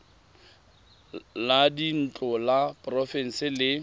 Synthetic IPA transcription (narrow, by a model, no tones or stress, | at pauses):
ladin̩t͡ɬʼɔlapʼrɔfɛn̩sɪlɪ